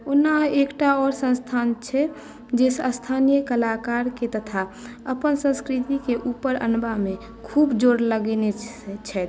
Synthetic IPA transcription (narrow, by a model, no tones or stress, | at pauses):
onaekʈaɔːɾsə̃nst̪ʰant͡ʃʰɛ | d͡ʒesəst̪ʰanijəkəlakaɾket̪ət̪ʰaəpənsə̃skɾit̪ikeʔupəɾə̰nbamẽ | kʰuːbd͡ʒoːɾləɡnet͡ʃʰɛt̪